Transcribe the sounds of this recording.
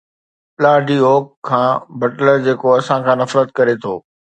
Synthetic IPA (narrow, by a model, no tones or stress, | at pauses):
plaːɖioːkʰːãːbɐʈləɾd͡ʑeːkoɐsãkʰãːnɐfɾət̪̚kɐɾet̪ʰo̰ː